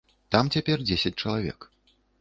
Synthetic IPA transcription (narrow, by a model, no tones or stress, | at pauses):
t̪amt͡sʲapʲɛrd͡zʲesʲɐt͡sʲt͡ʂɐlˠavʲɛ̰k